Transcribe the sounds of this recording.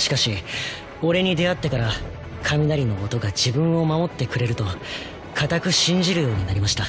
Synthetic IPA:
ɕi̥kaɕi | o̞ɾe̞ɲ̟id̪e̞at̪ːe̞kaɾa | kʰamʲid̪aɾʲino̞ːt̪o̞ɡad͡ʑibɯ̟̃ɰ̃o̞mamo̞t̪ːe̞kɯ̟ɾe̞ɾɯ̟t̪o̞ | kʰat̪akɯ̟ɕĩɲ̟d͡ʑiɾɯ̟jo̞ːɲ̟inaɾʲimaɕi̥t̪a

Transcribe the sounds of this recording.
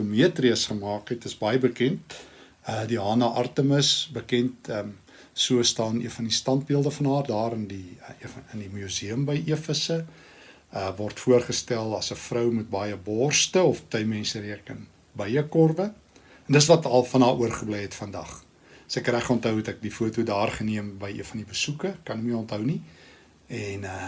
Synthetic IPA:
omiətriəsχəmɑːkɦɛtəsbɐjəbəkɛnt̚ | ədiɦɑːnɐʔɐrtəməsbəkɛntə | suəstɑːnḭənfɐndistɐnt̚biəlˠdəfɐnɦɑːrdɑːɾəndiəndimjuziəmbəjʔiəfəsə | əvɔrtfuərχəstælˠɐsəfrœwmut̚bɑjəbɔrstəɔftœjmɛnsəɾiəkən | bəjəkɔrbə | ɛndəs̬vɐtɐlˠfɐnɑːʔuərχəblɛjɦɛtfɐndɐ̰χ | sɛkræχɔntɦœwɛtɛk̚difuətudɑːrχəniəmbəjiənfɐndibəsukəkɐnəkmiəɔntɦœwni | ɛnə

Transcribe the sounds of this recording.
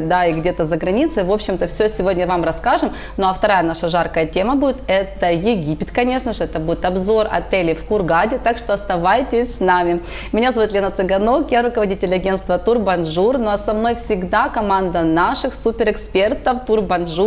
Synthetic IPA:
d̪aɪɡdʲe̞t̪əzəɡɾɐnʲit̪sɨvo̞pɕːɪmt̪əfsʲosʲɪvo̞dʲnʲəvamɾɐskaʐɨm | noɐft̪ɐɾajənaʂəʐarkəjətʲe̞məbudʲɪt̪ɛt̪əjɪɡʲipʲɪt̪kɐnʲe̞ʂnəʐɨɛt̪əbudʲɪt̪ɐbzo̞rɐ̰t̪ɛlʲɪfkʊrɡadʲɪt̪akʂt̪oɐst̪ɐvajtʲɪsʲsnamʲɪ | mʲɪnʲazɐvut̪lʲenət̪sɨɡɐno̞kjaɾʊkəvɐdʲitʲɪlʲɐɡʲe̞nt̪st̪vət̪urbɐnʐurnoɐsɐmno̞jfsʲɪɡd̪akɐmand̪ənaʂɨxsupʲɪɾɨkspʲe̞rt̪əft̪urbɐnʐu

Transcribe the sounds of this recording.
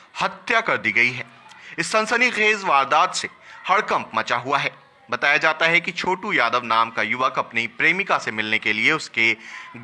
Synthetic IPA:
hɐt̪jakɐɾd̪iɡɐiɦɛːɪsːɐ̃nsəniɣeːzʋaːɾd̪aːd̪sehɐɽkɐ̃mpmɐt͡ʃaɦuaɦɛː | bɐt̪aːjad͡ʒaːt̪aɦɛkit͡ʃʰoːʈujaːd̪əʋnaːmkajʊʋakɐpnipɾeːmɪkasemɪlnekelieʊske

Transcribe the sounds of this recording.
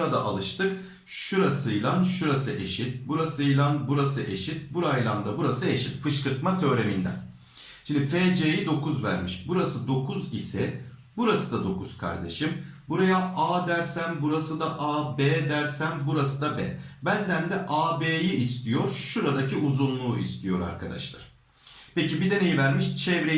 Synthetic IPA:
ɾad̪a̰ʔa̰lˠɯʃt̪ɯk | ʃuɾasɯjlˠanʃuɾasɯʔe̞ʃit̪̚buɾasɯjlˠanbuɾasɯʔe̞̰ʃit̪̚buɾajlˠand̪abuɾasɯe̞ʃit̪fɯʃkɯɾk̪mat̪ʰø̞ːɾe̞mind̪æ̰n | ʃind̪ifeːd͡ʒejid̪o̞kʰuzvæ̰ɾmiʃbuɾasɯd̪o̞kʰuzisɛ | buɾasɯd̪ad̪o̞kʰuzkʰa̰ɾd̪e̞̰ʃimbuɾajaʔaːd̪æɾsænbuɾasɯd̪aʔaːbeːd̪æɾsænbuɾasɯd̪abɛ̰bænd̪ænd̪ɛʔaːbeːjiʔːst̪ʰijo̞ɾʃuɾad̪acʰiʔuzunlˠuːʔḭst̪ʰijo̞ɾa̰ɾkʰad̪a̰ʃlˠa̰ɾ̥ | pe̞cibid̪e̞ne̞jivæɾmiʃt͡ʃʰɛvɾe

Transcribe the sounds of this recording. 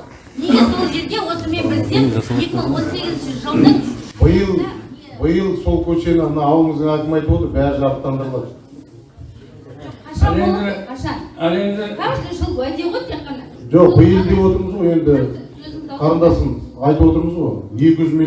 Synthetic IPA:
esolˠʒeɾd̪ʲewot̪əɾmebɪɾseskooseɡɪzʒɑbəjəlˠbəjəlˠsolˠkʲʰɵt͡ʃe̞nɪmənɑɑwlˠəɴəzɡ̪eɑjt̪əmɑjt̪əwot̪əɾbæɾɪʒɑɾəp̚t̪ːɑnd̪əɾlˠɑd̪ | ælend̪ɪ | ælˠe̞nd̪ɪt̪əʃlˠæd̪eʁojt̪ʰeqːɑnɑʒo̞q̚bəjəlˠd̪e̞bwo̞t̪əɾməzʁo̞je̞nd̪ɪ | qʰɑɾənd̪ɑsənɑjt̪əpwo̞t̪əɾməzʁo̞̰jje̞kʲɪʒʏzmi

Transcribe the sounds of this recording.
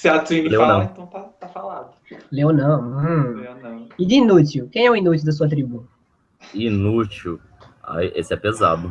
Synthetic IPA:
sat̪ĩlewnɐ̃w̪̃ɐ̃w̃t̪at̪afalɐ̃d̪ | lewnɐ̃w̃ | ɪd̪ɪinutiwkẽj̃ɛʊinut̪iwd̪ɐs̬uɐt̪̬ɾibũɐ | inut͡ʃiw | a̰jḛsɪɛpeza̰d̪ʊ

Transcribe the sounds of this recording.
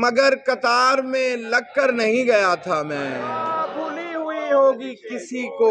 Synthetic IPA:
mɐɡəɾkɐt̪aːɾmẽlɐɡ̚kəɾnɐɦĩɡɐjat̪ʰamɛ̃ːbʱuːleɦʊeɦoːɡikɪsiko

